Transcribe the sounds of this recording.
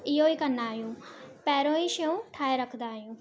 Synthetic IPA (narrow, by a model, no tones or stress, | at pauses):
ioːiːkənːaːjũːpɛːɾõːĩːʃeũːʈʰaːeːɾəkʰd̪aːjũː